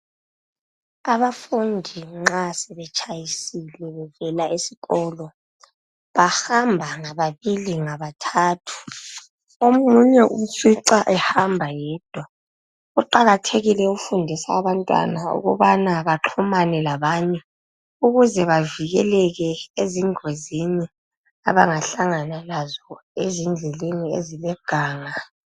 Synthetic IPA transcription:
aβafundʱiŋ͡ǁasɛβɛt͡ʃʰʼajisilɛβɛvɛlaʔisi̥ɣɔːlɔ | βahambʱaŋaβaβiliŋaβatʰaːtʰu̥ | omuɲɛʔumfiǀaʔɛhambʱajɛːd̥ʱwa | uǃaɣatʰeɣilɛufundʱisaːβantʼwa̰naṵɣṵβanaβaǁʰumanɛlaβaːɲɛ | uɣuzɛβaviɣɛlɛɣɛeziŋozini | aβaŋaɬaŋanalazɔezind͡ɮʱɛleniḛzilɛɡ̥ʱaːŋa

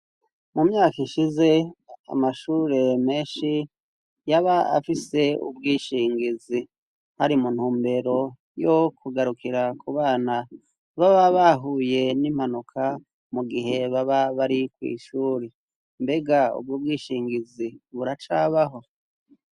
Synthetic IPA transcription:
mumɲaːkiʃize̞a̰maʃuːɾe̞me̞ːnʃi | jaβaa̰fise̞ṵbɡiːʃiːŋɡizi | haɾimun̥huːmbe̞ɾo̞ | jokʰuɡaɾukʰiɾakuβaːna | βaβaβaɦuje̞nim̥hanukʰa | muɡiɦe̞βaβaβaɾikwḭːʃuːɾe | mbe̞ɡaṵb̚ɡub̚ɡiːʃiːŋɡiziβuɾat͡ʃaːβaɦo̞

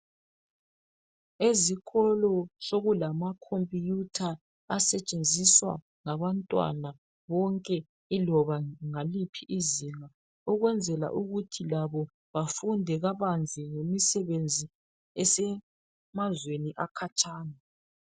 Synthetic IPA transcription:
eziɣʰɔlɔsoɣulamakʰompʼijutʰaː | sɛt͡ʃʼend͡zʱiswa̰ | ŋaβantʼwa̰na | βɔŋkʼɛ | ilɔβaŋalipʰiʔiziŋa | ɔɣwɛnd͡zʱɛla̰ʔuɣutʰilaβɔ | βafundʱɛɣaβand͡zʱiŋemisɛβend͡zʱi | ɛsɛ | mazweniʔakʰat͡ʃʼaːna

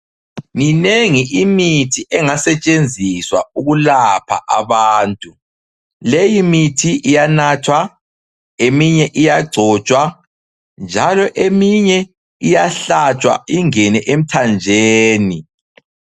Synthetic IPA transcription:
ŋineŋiʔimitʰiʔɛŋasɛt͡ʃʼend͡zʱiswauɣulapʰa̰ʔaβaːntʼu | lejimitʰiʔijanaːtʰwa | emiɲɛʔijaɡ͡ǀʱɔt͡ʃʼwa | nd͡ʒʱalɔʔemiɲɛ | ijaɬat͡ʃʼwa̰iŋɛnɛʔem̩tʰand͡ʒʱeːni

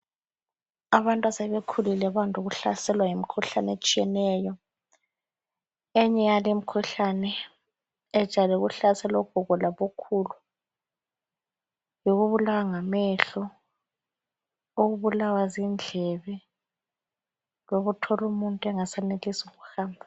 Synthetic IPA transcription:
aβantʼwasɛβekʰulilɛβantʼuɣuɬa̰sɛlwajimikʰuɬanet͡ʃʼijɛnɛjɔ | ɛɲɛjalem̩kʰuɬanɛ | ɛ̥ʒ̥ʱalɛuɣuɬasɛlɔɡ̥ʱɔɣɔlaβokʰulu | joɣuβulawaŋamɛɬɔ | oɣuβulawazind͡ɮʱɛβɛ | loɣutʰɔlumuntʼɛŋasɛnelisuɣuxaːmbʱa

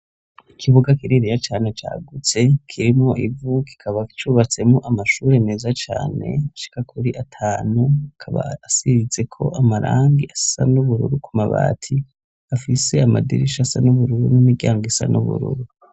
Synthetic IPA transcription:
ikʰiβuɡakiɾiɾijat͡ʃaːne̞t͡ʃa̰ːɡut͡se̞kʰiɾimoʔivuki̥kʰaβaki̥t͡ʃuβat͡se̞muʔamaʃuːɾe̞neːzat͡ʃa̰ːne̞̰aʃi̥kakʰuɾiʔatʰaːnuakʰaβa̰ːsiize̞kʰo̞̰ʔamaɾʔaːŋɡiḁsa̰nuβuɾṵɾukʰumaβa̰ːtʰi | afise̞amadḭɾiʃasanuβuɾuɾunimiɡɟaːŋɡisa̰nṵβṵɾṵɾu

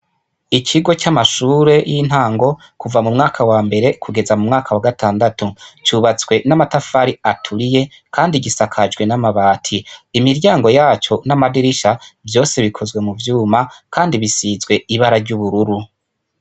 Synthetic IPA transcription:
icʰiɡo̞t͡ʃamaʃuːɾe̞jin̥haːŋɡo̞ | kuvamumŋaːkʰawaːmbe̞ɾe̞kʰuɡe̞zamumŋaːkʰawaɡataːndatut͡ʃuβat͡swe̞namatafaɾiatʰuɾije̞ | kʰaːndiɡisakʰad͡ʒɡwe̞namaβaːtʰiːmiɾɟaːŋɡo̞jaːt͡ʃo̞namadiɾiʃavjo̞ːse̞βikʰo̞zɡwe̞muvjuːmakaːndiβisiːzɡwe̞iβaɾaɾɟuβuɾuɾu

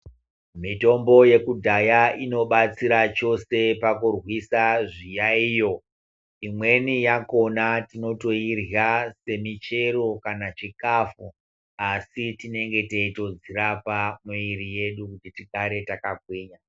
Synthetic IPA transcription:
mito̞mbo̞je̞kudʱajaino̞ɓat͡siɾat͡ʃo̞se̞pakurwisaʐijaiːjo̞ | imwe̞nijako̞natino̞to̞irjase̞mit͡ʃe̞ro̞kanat͡ʃikafu | asitine̞ŋɡe̞teito̞d͡zirapamuiɾije̞ɗukutitikaɾe̞takaɡʱweːɲa

